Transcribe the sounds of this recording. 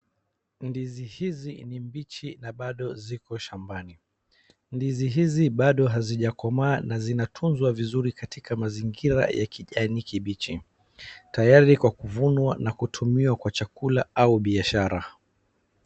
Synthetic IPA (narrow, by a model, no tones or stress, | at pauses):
ndizihizinimbit͡ʃinaɓaɗɔzikɔʃambani | ndiziɦiziɓaɗɔɦaziʄakɔmaːnazinatʰunzwavizuɾikatikamaziŋɡiɾa̰ja̰kʰiʄanikiɓit͡ʃi | tajaɾikwakuvunwanakutʰumiwakwat͡ʃakulaauɓiaʃaɾa